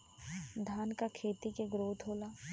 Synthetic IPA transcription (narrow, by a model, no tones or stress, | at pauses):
d̪ʱaːnkakʰeːt̪ikeɡɾoːd̪ʱɦoːlaː